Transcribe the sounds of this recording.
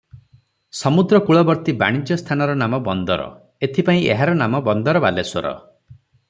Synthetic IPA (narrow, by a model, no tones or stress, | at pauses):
sɔmud̪ɾɔkuɭɔbɔɾt̪iba̰ɽ̃id͡ʒɔst̪ʰanɔɾɔnamɔbɔnd̪ɔɾɔ̰ | et̪ʰipaĩeɦaɾɔnamɔbɔnd̪ɔɾɔbaleswɔɾɔ̰